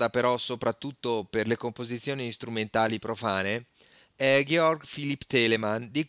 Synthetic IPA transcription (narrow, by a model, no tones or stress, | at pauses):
d̪apeɾɔsopɾat̪ːut̪ːoperlekompozit̪sːjoːnist̪ɾument̪aːlipɾofaːne | ɛɡɛɔrɡfilipːt̪ɛːlemand̪i